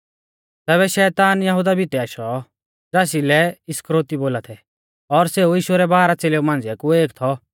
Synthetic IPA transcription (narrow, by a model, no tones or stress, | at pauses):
t̪ɛːβɛʃɛːt̪aːnjɐɦud̪abʱit̪ɛaːʃɔ | d͡zaːs̬ilɛɪskɾoːt̪iboːlat̪ʰɛ | ɔɾseuiːʃuɾɛbaːɾat͡seleːumãːnd͡zɛkueːkt̪ʰɔ